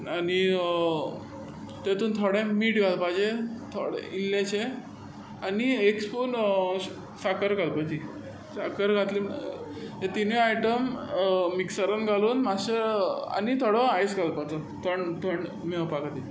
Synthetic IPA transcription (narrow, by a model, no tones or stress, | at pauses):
ani | t̪et̪uːnt̪ʰoɽẽmiːʈɡʱalpad͡ʑet̪ʰoɽḛilːet͡ɕʰe | aniekspuːn | sakəɾɡalpad͡ʑi | sakəɾɡʱat̪li | ɦet̪inʋiajʈəmː | iksəɾənɡaluːnmaɕəa̰nit̪ʰoɽəajsɡʱalpat͡s̪ət̪ʰəɳt̪ʰəɳɖ | miəpakat̪i